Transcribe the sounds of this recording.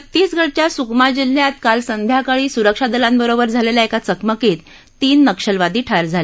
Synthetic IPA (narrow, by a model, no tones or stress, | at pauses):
t̪ːiːsɡʱəɽt͡ɕjasukmad͡ʑiljat̪kalsənd̪ʱjakaɭiːsuɾəkʂad̪əlãmbəɾobəɾd͡zʱaleljaekat͡səkməket̪ː | iːnːəkʂəlʋad̪iːʈʰaɾd͡zʱale